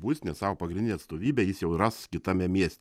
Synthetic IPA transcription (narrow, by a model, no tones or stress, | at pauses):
buːsʲnʲɛsɑːʋoːpɐɡɾʲɪnʲɪnʲɛɐt̪st̪oːʋʲiːbʲɛjɪsjɛʊrɑskʲɪt̪ɑmʲɛmʲiɛsʲt̪ʲ